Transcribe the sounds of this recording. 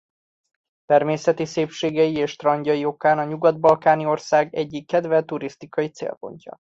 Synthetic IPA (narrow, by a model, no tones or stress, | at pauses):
t̪ɛrmeːsɛt̪iseːpʃeːɡɛjieːʃt̪rɒɲɟɒjio̞kaːnɒɲuɡɒd̪̚bɒlkaːnio̞rsaːɡɛɟːikːɛd̪vɛlt̪uɾist̪ikɒjit̪sḛːlpo̞̰ɲcɒ̰